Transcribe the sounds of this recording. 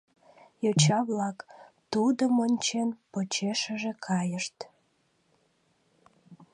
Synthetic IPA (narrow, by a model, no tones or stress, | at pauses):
jot͡ɕɑβlɑkt̪ud̪əmonʲt͡ɕenpot͡ɕeʃəʒekʰɑjəʃt̪